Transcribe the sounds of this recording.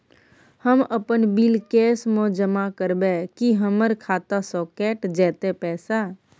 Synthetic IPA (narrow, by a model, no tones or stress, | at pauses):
həməpənbilkeːsmõd͡ʒəmakəɾbekiɦəməɾkʰaːt̪asɔːkeːʈd͡ʒɛːt̪epɛːsaː